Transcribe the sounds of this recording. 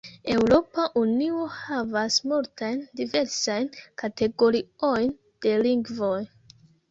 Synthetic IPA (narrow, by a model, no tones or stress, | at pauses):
e̞wɾo̞paʔunio̞havasmultajndive̞ɾsajnkate̞ɡo̞ɾio̞jn | d̥e̞liŋɡvo̞j